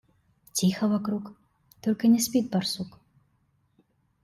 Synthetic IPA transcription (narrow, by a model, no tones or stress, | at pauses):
tʲixɐvakɾuk | t̪ɔlʲkɐnʲɛsʲpʲit̪̚bɐrsuk